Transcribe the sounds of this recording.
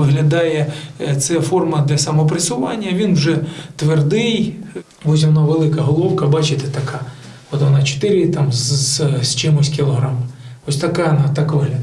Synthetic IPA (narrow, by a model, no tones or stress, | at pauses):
ɪɦlʲɐd̪ɑjɛt̪sɛfɔrmɐd̪lʲɐsɐmɔpɾɪsʊʋɑ̰nʲːɐʋʲinwʒɛt̪ʋerd̪ɪj | ɔs̬ʲʋɔnaʋelˠɪkɐɦɔlˠɔwkɐbɑt͡ʃɪt̪ɛt̪ɐkʰɑ | ɔt̪ʋɔnɑt͡ʃɪ̥t̪ɪɾɪt̪ɑmzst͡ʃɪmɔsʲkʲɪlˠɔɦɾam | ɔsʲt̪ɐkanɑt̪ɑkʋɪɦlʲɐ